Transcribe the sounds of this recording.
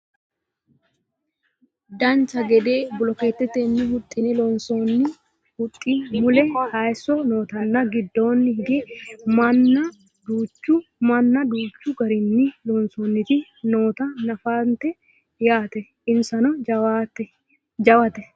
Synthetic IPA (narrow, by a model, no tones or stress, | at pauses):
d̪ɐnt͡ʃɐɡɛd̪eːbʊlɔkeːt̪ːɛt̪enːɪhʊt̪ʼːɪnɛlɔnsonːɪ | hʊt̪ʼːimʊlɛhajsːɔno̞ːt̪ɐnːɐɡɪd̪ːo̞ːnːɪhɪɡ̪ɛmɐnːɐ | d̪uːt͡ʃːʊmɐnːɐd̪uːt͡ʃːʊɡɐɾɪnːɪlɔnsoːnːɪt̪ɪ | no̞ːt̪ɐnɐfaːnt̪ɛ | jaːt̪ɛ | ɪnsɐnɔt̪ | d͡ʒɐwɐt̪ɛ